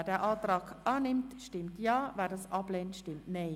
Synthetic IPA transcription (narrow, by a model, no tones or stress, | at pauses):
ɛdɛːʔɑːtʁɑːɡʔɑːnɪmtʃtɪmtjɑːvɛːdɑsʔɑbleːntʃtɪmtneɪ